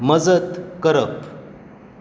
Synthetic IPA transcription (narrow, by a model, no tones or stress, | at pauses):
məd͡zət̪kəɾəp